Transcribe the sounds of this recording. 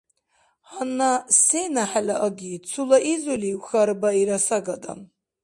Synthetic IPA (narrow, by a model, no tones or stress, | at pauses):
hanːasenaħalaʔaɡʲit͡sʰulaʔizuliwxaɾbaiɾasaɡada̰